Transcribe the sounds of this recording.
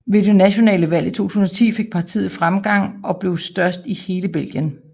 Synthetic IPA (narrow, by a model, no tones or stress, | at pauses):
ʋe̝de̝næɕo̝nɛ̰ːləʋæl̰it͡sʰo̝̰ːt͡sʰuːsn̩ɒ̽t͡sʰḭːfe̝ɡ̥̚pʰɑ̈t͡sʰḭːð̩ˠfʁamɡ̥ɑ̈ŋ̰ɒ̽b̥le̝ʊsd̥ɶɐsd̥ihe̝ːləb̥el̰ɡ̥jən